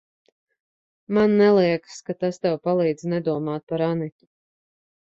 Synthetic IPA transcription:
manːɛlˠiɛkskat̪ast̪ɛwpalˠiːd̪znɛd̪uɔmaːt̪̚paɾanitʲi̥

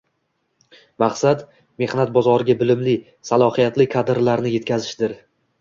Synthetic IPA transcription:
maqsat̪ | me̞hnat̪̚bɒzɒɾɪɡʲabɪlɪmlɪ | salˠɒhijat̪lɪkʰad̪ɾlaɾnɪje̞t̪kʲʰazɪʃd̪ɪɾ

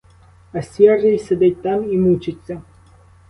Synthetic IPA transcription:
ɐsʲɛrʒɪjsʲɐd̪ɪt̚ʲt̪amimut͡ʃɪt͡sʲːɐ

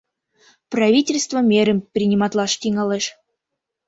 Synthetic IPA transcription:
pravʲitʲɪlʲst̪vəmʲeɾəmpɾʲinʲimɑt̪lˠɑʂt̪ʲiŋɑlˠeʃ

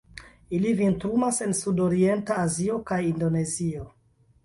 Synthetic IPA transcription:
ilivintɾumase̞nsudoɾie̞ntaːzio̞kajindo̞ne̞zio

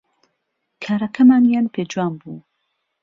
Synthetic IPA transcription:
kʰaːɾɐkʰɐmaːnjaːnpʰeːd͡ʒuwaːmbuː

